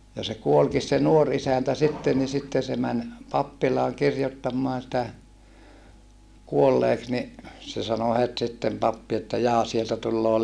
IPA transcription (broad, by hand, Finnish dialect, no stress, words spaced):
jɑ se kuolkis se nuor isæntæ sitːe ni sitːe se mæn pɑpːilɑːŋ kirjotːɑmːoɑn sĭtæ kuolːeːks ni se sɑno het sitːem pɑpːi etːæ jɑː sieltæ tulːoː